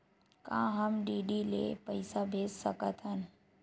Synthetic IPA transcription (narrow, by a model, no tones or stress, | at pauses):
kã̰ːɦəmɖiːɗilḛpəɪsabʱeːssəkət̪ʰɦənɪ̆